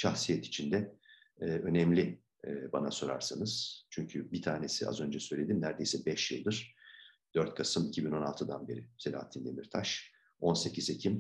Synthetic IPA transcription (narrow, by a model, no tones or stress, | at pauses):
ʃaxsijɛt̪ʰi̥t͡ʃʰind̪ɛː | ø̞nɛmlʲiː | banaso̞ɾa̰ɾsanɯz̥t͡ʃʰyɲcʰybit̪ʰaːne̞sia̰zø̞nd͡ʒɛsø̞jlʲe̞d̪imnæɾd̪e̞jsɛbɛʃjɯlˠd̪ɯɾ̥ | d̪̥øɾt̪̚kʰasɯmicʰibino̞nalˠt̪ʰɯd̪anbe̞̰ɾiselʲa̰ɦat̪ʰind̪emiɾt̪ʰaʃ | o̞nse̞cʰizecʰim